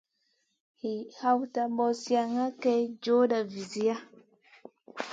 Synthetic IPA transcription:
hi˨ha˦wta˦mbɔ˦sja˨ŋa˦kɛ˦jd͡ʒo˦da˨vi˨zi˨˦a˦

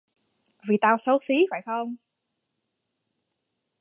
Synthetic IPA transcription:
vi˨˩t̪aː˧wso˨˦si˨˦faː˧˩jxə˧wŋ͡m

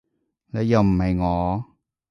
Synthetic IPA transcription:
lɛ˨˧jɐ˨wm̩˨˩hɐ˨jŋɔː˨˧

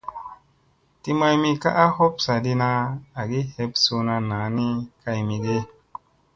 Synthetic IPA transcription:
ti˦ma˧jmi˧ka̰˦ʔa˦ho˦psa˨di˧na˧a˨ɡi˦he˦psu˧na˧na˨˦ni˦ka˧jmi˧ɗe˦

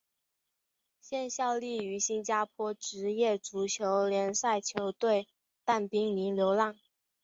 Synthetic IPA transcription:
ɕjɛ˥˧nɕjɑ˥˧ʊli˥˩y˧˥ɕi˥nt͡ɕja˥pʰwɔ˥ʈ͡ʂɻ̩˧˥jɛ˥˩ʈ͡ʂu˧˥t͡ɕʰjo˧˥ʊljɛ˧˥nsa˥˩ɪt͡ɕʰjo˧˥ʊt̪we˥˩ɪ | t̪a˥˩npi˥ŋni˧˥nljo˧˥ʊlɑ˥˩ŋ

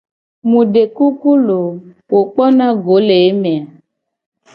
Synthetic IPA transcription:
mũ˨ɖe˨ku˦ku˦lo˨ | wo˨k͡pɔ˦nã˦ɡo˨˦le˨e˦mẽ˨a˨

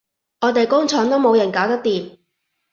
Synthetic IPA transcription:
ŋɔː˨˧t̪e˨jkʊ˥ŋt͡ʃʰɔː˨˥ŋt̪o˥wmo˨˧wjɐ˨˩nkaː˨˥wt̪ɐ˥k̚t̪iː˨m

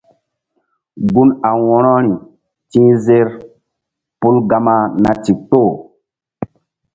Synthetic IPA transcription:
ɡu˦na˨wɔ˨ɾɔ˦ɾi˨ | tĩ˦ze˦ɾ | pu˦lɡa˨ma˦na˨ti˨k̚to˦˨

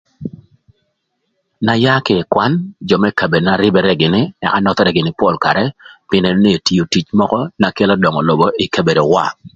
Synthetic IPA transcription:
na˨ja˦kɪ˨kwa˦nd͡ʒɔ˨mɛ˦ka˨be˨dna˨ɾɪ˦bɛ˦ɾɛ˦ɡɪ˨nɪ˦ɛ̰˨a̰˦nɔ˦t̪ɔ˦ɾɛ˦ɡɪ˨nɪ˦pɔ˦˨lka˨ɾɛ˦pɪ˦ne˨no˦ni˦e˨ti˨o˨ti˦t͡ʃmɔ˦kɔ˦na˨ke˦lɔ˦dɔ˨ŋɔ˨lo˨bɔ˨˦i˨ke˨be˨do˨wa̰˦˨

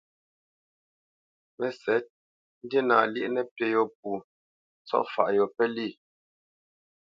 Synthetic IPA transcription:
mɛ˨sɛ˨˦t̚ | n̩˦dje˦na˨ljɛ̰˦ʔnɛ˦tɛ˨jɔ˦˨p̚u˨˦ | t͡sɔ̰˦ʔfa̰˨ʔjɔ˨pɛ˦li˦˨

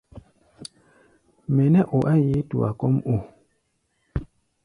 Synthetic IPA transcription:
mɛ˨nɛ˦ʔo˨ʔa˦ji˦tṵ˨a̰˨kɔ˦mo˦˨

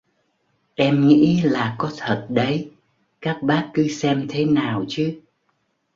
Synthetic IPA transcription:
ʔɛ˧mŋḭ˧˥laː˨˩kɔ˨˦t̪ʰə˨˩t̚ɗə˨˦j | kaː˦˥k̚ɓaː˦˥kkɨ˨˦sɛ˧mt̪ʰe˨˦naː˨˩wt͡ɕɨ˨˦

